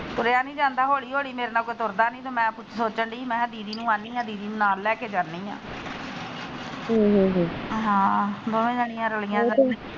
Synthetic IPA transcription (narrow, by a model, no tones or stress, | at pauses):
t̪ʊɾeaːnĩːd͡ʒãːnd̪aːɦoːɽiːɦoːɽiːmeːɾeːnaːkoːit̪ʊɾd̪aːnĩːt̪õːmɛ̃ːpʊt͡ʃʰsoːt͡ʃəɳɖiːmɛ̃ːd̪iːɾiːnũːaːniːãːd̪iːɾiːnũːnaːlːɛːkeːd͡ʒaːnːiːã̰ː | ɦiːɦiːd͡ʒiːɦãːboːmẽːd͡ʒəɽiːãːɾəliːãː